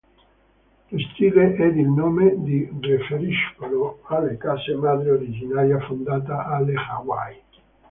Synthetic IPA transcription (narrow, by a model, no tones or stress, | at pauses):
lost̪iːleʔɛd̪ilnoːmed̪irefeɾiʃkoloalːekasemaːd̪ɾeoɾid͡ʒinaːɾjafond̪aːt̪̬aʔalːexawa̰j